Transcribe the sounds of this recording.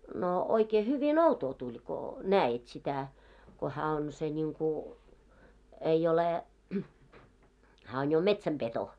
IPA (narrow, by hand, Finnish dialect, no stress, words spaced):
no oikeː hyʋin outoː tulʲ ko næːit sitæ ko hæː on se nʲiŋku ei ole hæː on jo metsæmpeto oikeː